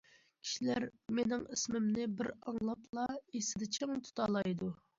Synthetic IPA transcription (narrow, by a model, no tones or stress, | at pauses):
kʲʰi̥ʃilæɾmenɪŋɪsmɪmnɪbɪɾɑŋlˠɑplˠɑesɪd̪ɛt͡ʃʰeŋt̪ʰu̥t̪ʰɑːlˠɑjd̪u